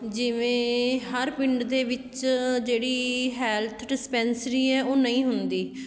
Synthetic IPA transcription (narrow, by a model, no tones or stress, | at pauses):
d͡ʒɪʋẽːɦəɾpɪ̃ɳɖd̪eːʋɪt͡ʃd͡ʒeːɽiːɦɛːlt̪ʰɖɪspɛːnsɾiːɛːʔoːnəĩːɦʊnd̪iː